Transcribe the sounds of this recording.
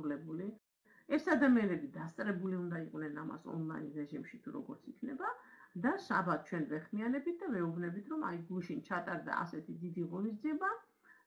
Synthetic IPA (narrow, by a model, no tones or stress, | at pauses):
ulɛbuli | ɛsad̪amianɛbid̪ast̪sʼɾɛbuliund̪aiqʼnɛnama̰sɔ̰nlˠainɾɛʒimʃit̪ʰuɾɔ̰ɡɔɾt̪sʰikʰnɛ̰bad̪asabat̪̚t͡ʃʰwɛnvɛχmianɛbit̪̚ʰd̪avɛubnɛbit̪ʰɾɔma̰jɡuʃint͡ʃʰat̪ʼaɾd̪a̰a̰sɛt̪ʰid̪id̪iʁɔnisd̪ziɛba